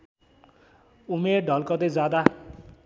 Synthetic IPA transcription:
umeɖʱʌlkʌt̪ed͡zad̪a

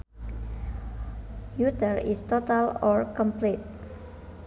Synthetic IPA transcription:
jut̪əɹist̪ot̪alɔɹkɔmplet̪̚

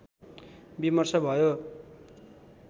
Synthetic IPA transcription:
bimʌrsʌbʱʌjo

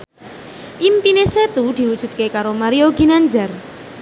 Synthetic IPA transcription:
ʔimpineset̪ud̪̥i̤wud̥ʒ̥ṳt̪̚kekaɾomaɾioɡinaɲd͡ʒar

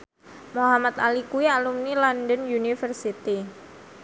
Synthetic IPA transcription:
moɦamat̪alikuialumnilɔndənjunifərsit̪i

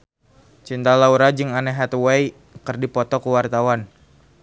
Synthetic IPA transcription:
t͡ʃint̪alauɾad͡ʒɨŋanɛɦat̪wɛj | kərdipɔt̪ɔkuwart̪awan

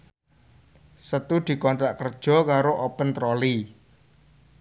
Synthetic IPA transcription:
sət̪ud̪̥i̤kɔnt̪ɾaʔkərd̥ʒ̥ɔ̤kaɾoʔɔpənt̪ɾoli

